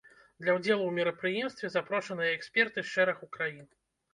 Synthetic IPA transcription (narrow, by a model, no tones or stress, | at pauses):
d̪lʲɐwd͡zʲɛlˠuwmʲɛɾɐpɾɨjɛmst̪vʲɛzapɾɔʂɐnɨjɐɛksʲpʲɛrt̪ɨʂɛɾɐxukɾajin